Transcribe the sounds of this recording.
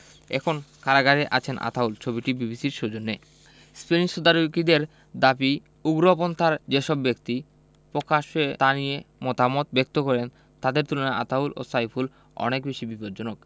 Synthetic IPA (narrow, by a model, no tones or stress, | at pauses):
ɛ̰kʰonkaɾaɡaɾeʔa̰t͡ɕʰenʔa̰t̪ʰault͡ɕʰobiʈibibisiɾʃod͡ʑonːe | speniʃod̪aɾokid̪eɾ | d̪abi | uɡɾop̬ont̪aɾd͡ʑeʃɔbːekt̪i | pɾokaʃet̪aniemɔt̪amɔt̪bek̚t̪okɔɾen | t̪ad̪eɾt̪ulonaa̰t̪ʰaulo̰sajpʰul | ɔ̰nekbeʃibipoɾd͡ʑonok